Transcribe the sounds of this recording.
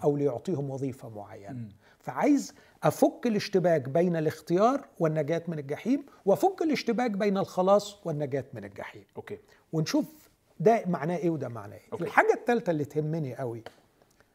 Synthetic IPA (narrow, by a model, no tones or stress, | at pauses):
ʔæwlɪjoʕt̪ˤiːhomwɑðˤiːfæmo̰ʕa̰jːæ̰næ | fæʕaːjez | ʔæfokːelɪʃt̪ɪbæːɡbejnælɪxt̪ɪjɑːɾˤwenːæɡæːt̪mɪnælɡaħiːm | weʔæfokːeleʃt̪ɪbæːɡbejnælxɑlɑːsˤwenːæɡæːt̪mɪnælɡa̰ħḭːmoke | wenʃuːf | d̪æmaʕnæːʔeːwed̪æma̰ʕnæ̰ːʔeːʔelħaːɡæt̪ːælt̪ælːit̪hemːeniʔæwi